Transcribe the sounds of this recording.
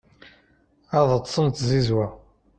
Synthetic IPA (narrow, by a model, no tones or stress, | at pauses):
æðˤət̪ːˤsˤənt̪zizwæ